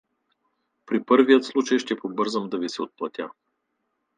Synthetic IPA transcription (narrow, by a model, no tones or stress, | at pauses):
pɾipɤɾvijət̪slˠut͡ʃəjʃt̪ɛpobɤɾzəmd̪ɐvisɛot̪̚plˠɐt̪ʲja